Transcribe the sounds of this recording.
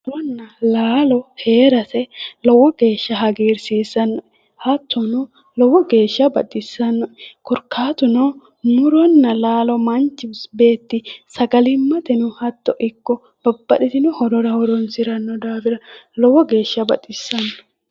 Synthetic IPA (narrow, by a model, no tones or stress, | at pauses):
ɾɔnːɐlaːlɔhe̞ːɾɐsɛlɔwɔɡ̥e̞ːʃːɐɦɐɡiːɾsiːsːɐnːɔ | hɐt̪ːɔnʊ | lɔwɔɡe̞ːʃːɐbɐ̰t̪ʼːɪsːɐnːɔkɔɾkʰːaːt̪ʊnɔ | nʊɾɔnːɐlaːlɔmɐnt͡ʃːɪsbe̞ːt̪ːɪsɐɡɐlɪmːɐt̪ɛnʊhɐt̪ːɔʔɪkːɔ | b̥ɐbːɐɗɪt̪ɪnʊhɔɾɔɾɐhɔɾɔnsɪɾɐnːɔd̪aːfɪɾɐlɔwɔɡe̞ːʃːɐbɐ̰t̪ʼɪsːɐnːɔ̥